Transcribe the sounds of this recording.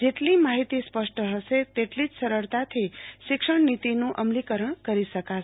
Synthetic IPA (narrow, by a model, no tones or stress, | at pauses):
d͡ʒeʈlimaɦit̪ispəʂʈəɦəʃet̪eʈlid͡ʒsəɾəɭt̪at̪ʰiʃɪkʂəɳnit̪inũʔəmlikəɾəɳkəɾiʃəka